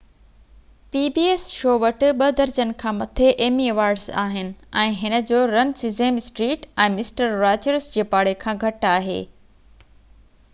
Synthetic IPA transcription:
piːbiːeːsʃoːʋɐʈʊ̆ɓɐd̪ɐɾd͡ʑənɪ̆kʰãːmɐt̪ʰeʔeːmieʋaːɾɖza̰ːɦɪnɪ̆ɛ̃ːɦɪnə̆d͡ʑoːɾɐnsɪzeːmɪsʈɾiːʈɛ̃ːmɪsʈəɾːaːd͡ʑəɾzd͡ʑeːpaːɽ̤ekʰãːɡʱɐʈaːɦḛː

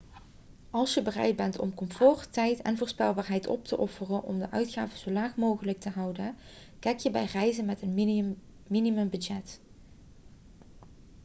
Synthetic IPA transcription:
ɑlˠsjəbərɛ̰jd̚bɛntʰɔ̰mkɔmfɔːrtɛjtɛ̰nvʊːɹspɛlˠbaːɹɦɛjtɔ̰p̚tʰəʔɔfərənʔɔ̰mdəʔœɥtxaːvəzowlaːχmowχələk̚təɦɑwdə | kɛjkjəbɛjrɛjzənmɛtən | minimɵmbɵdd͡ʒɛt

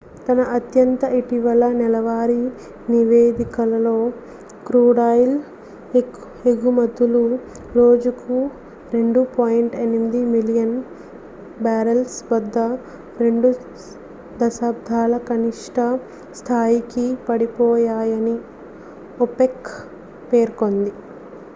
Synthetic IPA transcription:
t̪ɐnɐʔɐt̪jɐnt̪ɐiʈiʋɐlɐnɛlɐʋaːɾi | niʋeːd̪ikɐlɐlo̞ː | kɾuːɽaːjl | e | eɡumɐd̪ːulu | ɾo̞ːd͡ʒuku | ɾe̞ɳɖupaːjiɳʈenmid̪imilijɐn | baːɾɐlsʋɐd̪ːɐ | ɾe̞ɳɖu | d̪ɐʃaːb̚d̪ʱaːlɐkɐniʂʈʰɐ | st̪ʰaːjikipɐɽipɔːjaːjɐni | opek | pe̞ːɾko̞nd̪i

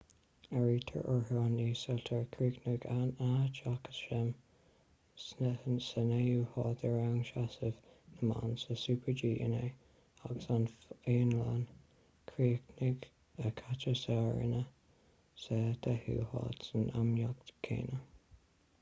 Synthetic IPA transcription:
aɹiːt̪ʰə̰ɹʔəɹhɑːniːsɔlt̪ʰəɹkʰɹiːknɪɡanat͡ʃʰakə̥sʃɪm | sənejuːhɑːt̪əɹawŋʃasəvnəma̰nsəsuːpʰəɹd͡ʒiːʔə̰ne | aɡəsaneːnlan | kʰɹiːknɪɡ | əkʰat͡ʃəsɛɹɪ̰nə | sɛd̪̥ʰɛhṵːhɑ̰ːt̪sənamjakt̪kʰːḛːnə

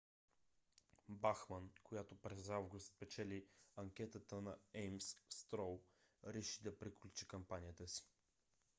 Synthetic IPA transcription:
baxmənkojat̪opɾɛzavɡʊst̪̚pɛt͡ʃɛliɐŋkʲɛt̪ət̪ənɐɛjmsst̪ɾɔlˠɾɛʃid̪ɐpɾiklʲut͡ʃikɐmpanijət̪əsi̥

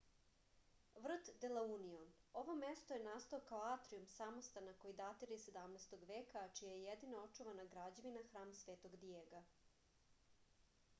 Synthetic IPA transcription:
ʋr̩t̪d̪elauniono̞ʋo̞mest̪ojenaːst̪ookaoaːt̪ɾiumsamost̪anakoid̪at̪iɾised̪amnest̪oɡʋeːkat͡ʃijajejed̪inoot͡ʃuʋanaɡɾad͡ʑeʋinaxɾaːmsʋeːt̪o̞ɡd̪jeːɡa

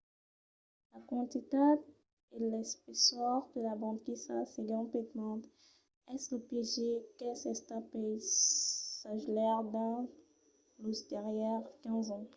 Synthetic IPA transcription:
lakɑ̃t̪it̪ad̪ | elɛspesɔʁd̪əlabɑ̃d̪kisa̰seɡɑ̃pet̪mɑ̃t̪ | ɛsləpeʒekɛsɛst̪apɛj | saʒlɛʁd̪ɛ̃ | lusd̪ɛʁjɛʁkɛ̃zɑ̃

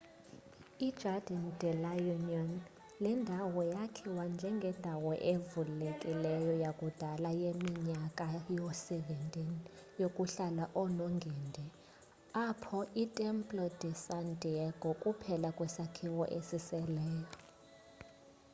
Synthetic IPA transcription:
id̥d͡ʒʱadʱandʱɛlajuniɔn | lɛndʱawɔjakʰiwand͡ʒʱɛŋɡʱɛndʱawɔʔevulekʼilɛjɔjakʼud̥ʱalajemiɲakʼajɔsɛvɛntʼinijokʼuɬalaʔɔnɔŋɡʱɛndʱɛ | apʰɔʔitʼɛmpʼlɔd̥ʱɛsantʼiɛɡ̥ʱɔkʼupʰɛlakʼwɛsakʰiwɔʔesisɛlɛːjɔ

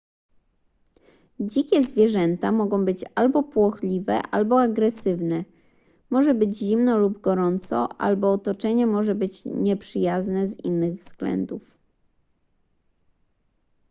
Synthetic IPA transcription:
d͡ʑikʲɛzvʲjɛʐɛnt̪amɔɡɔ̃w̃bɘt͡ɕalbɔpwɔxlʲivɛ̰ʔalbɔaɡɾɛsɘvnɛ | mɔʐɛbɘd͡ʑʑimnɔlubɡɔɾɔnt̪sɔ̰ʔa̰lbɔːt̪ɔt͡ʂɛɲɛmɔʐɛbɘt͡ɕɲɛpʂɘjaznɛzḭnːɘɣvz̥ɡlɛ̰nd̪uf

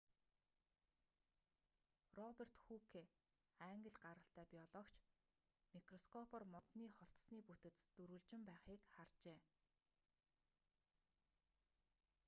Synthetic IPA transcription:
rɔper̥t̪xukʰe | æːŋɡə̆ɮɢaɾʁə̆ɬt̪æːpʲiɔɮɔːkt͡ɕʰ | mikrɔskʰɔpʰɔrmɔt̪niːχɔɬt̪sniːput̪ɘ̆t͡s̪t̪ɵɾuɮt͡ɕɪ̆mpæːχiːkχart͡ɕeː

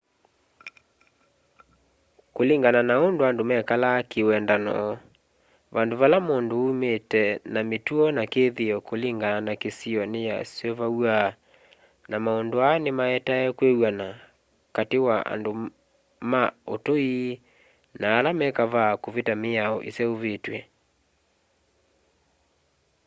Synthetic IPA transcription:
koliŋɡananaondoandomɛkalakewɛndanɔ̰ | βandoβalamondoumetɛnametuɔnakeðeɔkoleŋɡananakesiɔneja̰sɔvawa | namaondoanemaɛtaɛkwewana | katewaa̰ndo | maotoi | naːlamɛkaβakovetameaɔʔesɛoβetwɛ

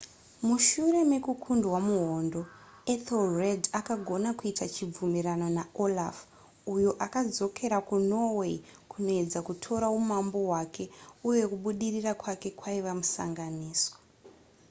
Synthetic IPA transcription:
muʃuɾe̞me̞kukʰundwamuɦondo̞ | etolredakaɡʱo̞nakuitat͡ʃib͡vumiɾano̞naolaf | ujoʔakad͡zo̞kʰe̞ɾakuno̞we̞ikʰuno̞e̞d͡zakutʰo̞ɾaumambo̞ɦwake̞uje̞kuɓuɗirirakwake̞kwaiʋamusa̰ŋɡaniːswḁ

